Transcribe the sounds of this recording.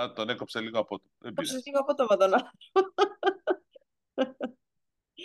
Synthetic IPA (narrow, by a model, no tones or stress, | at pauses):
ɐt̪onekopseliɣoɐpot̪oðebkiseliɣoɐpot̪omɐt̪onɐɾ